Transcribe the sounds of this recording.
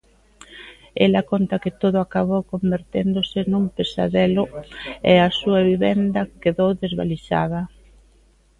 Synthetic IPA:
ɛlɐkont̪ɐkɪt̪oðʊakaβowkombeɾt̪end̪osɪnũmpesa̰ðɛlʊɛasuɐβiβɛnd̪ɐkeðowðezβa̰liʃa̰ð̞ɐ

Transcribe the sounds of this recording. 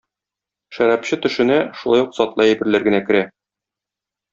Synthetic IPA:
ʃæɾæpɕɘt̪ɵ̆ʃɘ̆næʃulˠɑjuqsɒt̪lˠɑæbɘ̆ɾlæɾɡɘ̆nækɘ̆ɾæ

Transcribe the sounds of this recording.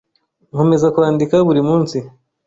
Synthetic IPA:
ŋhome̞zakuaːndikaβuɾimuːnsi

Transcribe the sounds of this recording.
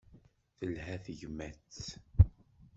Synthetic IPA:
θəlhæθʝmːæt͡sː

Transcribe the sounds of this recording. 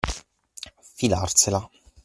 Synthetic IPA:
filarsela

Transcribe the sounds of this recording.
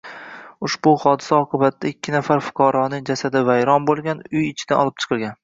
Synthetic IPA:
ʊʃbʊhɒd̪ɪ̥saɒqʰɨbat̪ːaɪkʲʰːɪnafaɾfʊ̥qʰɒɾɒnɪŋd͡ʒasad̪ɪvajɾɒnbolˠɡʲanʊjɪt͡ʃʰɪd̪̥anɒlˠɪp̚t͡ʃʰɨ̥qʰɨlˠɡʲan

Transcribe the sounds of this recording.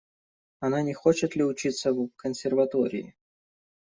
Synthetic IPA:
ɐnanʲɪxot͡ɕɪt̪lʲɪʊt͡ɕit̪səvkənsʲɪrvɐt̪oɾʲɪ̰ɪ̰

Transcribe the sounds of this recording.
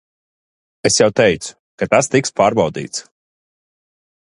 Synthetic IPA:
esjawt̪ɛjt̪su̥ | kat̪ast̪ikspaːɾbawd̪ḭːt̪s

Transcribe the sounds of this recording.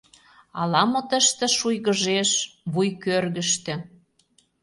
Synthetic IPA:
ɑlɑmot̪ə̆ʃt̪ĕʃujɣə̆ʒeʃβujkørɣə̆ʃt̪ĕ

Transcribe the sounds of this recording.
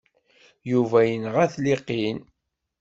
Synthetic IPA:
juvæjənʁæθliqːin

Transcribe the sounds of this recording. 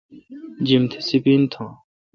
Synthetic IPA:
d͡ʑimt̪ʰsipiːnt̪ʰãː

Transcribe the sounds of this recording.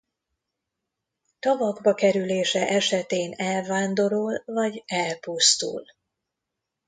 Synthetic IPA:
t̪ɒvɒɡbɒkɛɾyleːʃɛʔɛʃɛt̪eːnɛlvaːnd̪o̞ɾolvɒɟɛlpust̪ṵl

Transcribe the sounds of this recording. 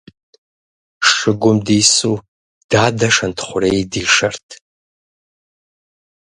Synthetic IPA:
ʂʂɨɡʷʊmdisu | d̥aːdɐʂɐntʰχʷʊrejdiːʂɐrtʰ

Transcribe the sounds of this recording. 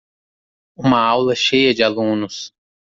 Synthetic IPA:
ũmɐawlɐʃejɐd͡ʒɪalũnʊs

